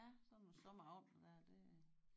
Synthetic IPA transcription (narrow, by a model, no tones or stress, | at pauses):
æsɒsɔmɐɒ̽m̰d̥d̥æɐ̰d̥e̝